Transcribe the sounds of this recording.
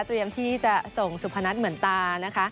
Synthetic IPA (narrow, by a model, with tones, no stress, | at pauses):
t̪ɾi˧əmt̪ʰiː˥˩t͡ɕa˨˩so˨˩ŋsu˨˩pʰa˧na˦˥t̪̚mɯ˩˦ənt̪aː˧na˦˥kʰa˦˥